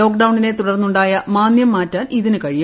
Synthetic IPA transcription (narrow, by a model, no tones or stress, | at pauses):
o̞ːk̚ɖɐwɳine̞t̪uɽɐrnːuɳɖaːjɐmaːnjɐmːaːtːaːnʔiðinɨkɐɻij